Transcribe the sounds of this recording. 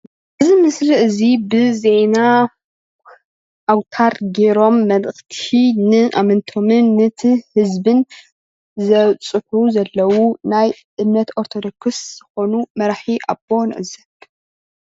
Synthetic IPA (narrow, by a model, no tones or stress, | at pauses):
ʔɨzimɨsliʔɨzibɨze̞na | ʔawt̪ʰaɾɡe̞ɾo̞mːɐlɨxt̪ʰinɨʔa̰mɐnt̪ʰo̞mɨnːɨt̪ʰihɨzbɨn | zɐt͡sʼɨħuzɐlːɐwunaj | ʔɨmnɐt̪oɾt̪ʰod̪okʰɨsz̥ɨxo̞numɐɾaħiʔa̰bon̰ʔɨzɐn